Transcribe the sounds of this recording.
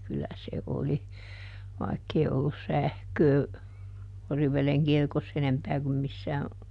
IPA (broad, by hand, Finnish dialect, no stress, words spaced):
kylːæ se oli ʋɑikːei olːus sæhkøː oriʋˑeleŋ kirkosː enempæː kum misːæː